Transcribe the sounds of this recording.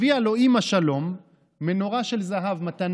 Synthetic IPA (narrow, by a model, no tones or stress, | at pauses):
ialo̞imaʃalo̞mː | eno̞ʁaʃe̞lzaɦavmat̪an